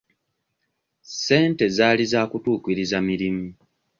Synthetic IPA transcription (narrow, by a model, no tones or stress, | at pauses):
se̞ːnte̞zaːlizaːkutuːkiɾizamiɾimu